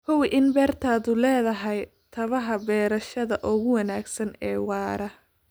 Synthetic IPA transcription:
hʊwʔɪnbɛːrt̪ʰaːðʊlɛːðɐɦɐj | t̪ʰɐβɐɦɐbɛːɾɐʃɐðɐʔʊɣʊwɐnaːɡsɐnɛːwɑːɾɐ

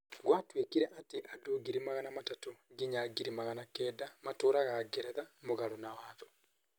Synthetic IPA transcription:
ɡwatwekiɾɛʔateʔadoːɡiɾimaɣanamatatoɡiɲaɡiɾimaɣanakɛːdamatoːɾaɣaɡɛɾɛðamoɣaɾɔnawaðɔ

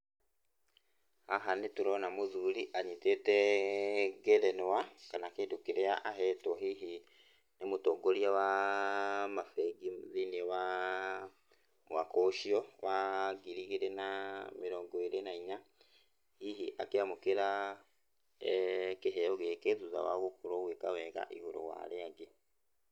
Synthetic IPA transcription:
haɦanetuɾonamuðuliʔaɲitete | ɡeɾenowakanakedukiɾeaʔaɦɛtwɔhiɦi | nemutoɡoljawa | mafeɡiðinewa | wakoʃiɔwaɡiɾiɣeɾenameɾɔːŋɡɔiɾenaiɲa | hiɦiʔa̰keamokeɾa | keɦɛɔɣekeðuza̰wa̰ɣokuɾoɣwekawɛɣa̰ʔihoɾo̰wa̰ɾeaɡe

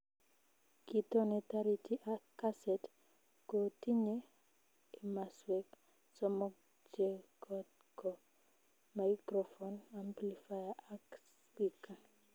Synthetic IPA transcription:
kit̪ɔnɛt̪aɾitʰiʔakːasɛt | kotiɲe | imaswɛk | sɔmɔk̚ | d͡ʒɛkɔt̪̚ | kɔ | majkɾɔfɔnamplifajaaks | pika

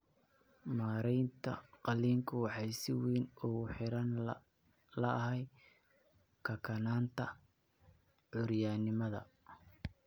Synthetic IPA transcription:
maːɾɛjnt̪ʰɐ̰qɑliːŋkʰʊwɑħɑjsɪwiːnʊɣʊħɪɾɐn | lɐɐɦɛj | kʰɐkʰɐnaːnt̪ʰɐ | ʕʊɾjaːnɪmɐðɐ̰

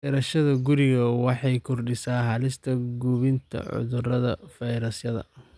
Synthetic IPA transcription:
ɛɾɐʃɐðɐɡʊɾɪɣɐwɑħɑjkʰɔrɖɪsaːɦɐlɪst̪ʰɐɡuːβɪnt̪ʰɐ̰ʕʊ̰ðʊrɐðɐfɐjɾɐsjɐðɐ̰

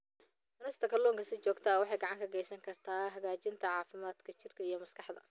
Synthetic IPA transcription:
t̪ʰʊnɛst̪ʰɐkʰɐrlɔːŋkʰɐsɪt͡ʃɔːɡt̪ʰɐwɑħɑjɡɑʕɑŋkʰɐɡɛjsɐŋkʰɐrt̪ʰaːɦɐɣaːt͡ʃɪnt̪ʰɐʕɑːfɪmaːd̪kʰɐt͡ʃɪrkʰɐijɞmɐskʰɑħd̪ɐ̰

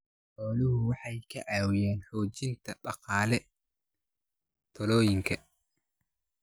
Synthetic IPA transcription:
ħɔːlʊɦʊwɑħɑjkʰɐʕɑːwɪjɛːnħɔːt͡ʃɪnt̪ʰɐbɑqɑːlɛ | t̪ʰɔlɔːjɪŋkʰɐ

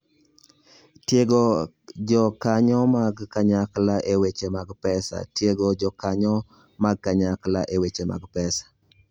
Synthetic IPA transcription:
tjeɡo | d͡ʒɔkaɲɔmaɡkaɲaklaʔewet͡ʃemaɡpɛsa̰tjeɡod͡ʒɔkaɲɔ | maɡ̚kaɲaklaʔewet͡ʃema̰ɡpɛsḁ

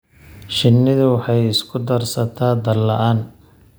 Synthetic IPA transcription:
ʃɪnːɪðɐwɑħɑjɪskʰʊd̪ɐrsɐt̪ʰaːd̪ɐlɐʔaːn

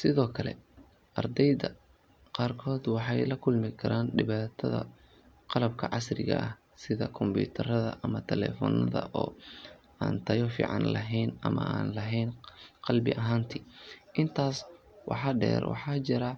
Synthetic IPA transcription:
sɪðɔːkʰɐlɛ̰ | ʔɐrd̪ɛjðɐ | qɑːrkʰɔːd̪wɑħɑjlɐkʰʊlmɪkʰɐɾaːnɖɪβaːt̪ʰɐðɐ̰ | qɑlɐb̚kʰɐʕɑsrɪɣɐ̰ʔɐh | sɪðɐkʰɔmbṵːt̪ʰɐɾɐðɐ̰ʔɐmɐt̪ʰɛlɛ̰ːfɔ̰nɐðɐ̰ʔɔː | aːnt̪ʰɐjɔfḭːʕɑ̰nlɐɦɛjnʔɐmɐ̰aːnlɐɦɛjnqɑlbɪʔɐɦaːnt̪ʰiːʔɪnt̪ʰaːs | wʔɑ̰ħɑɖɛ̰ːrwɑ̰ħɑːt͡ʃɪɾɐ

